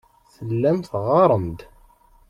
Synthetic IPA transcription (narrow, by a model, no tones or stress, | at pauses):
θəlːæmθʁɑɾˤənd̪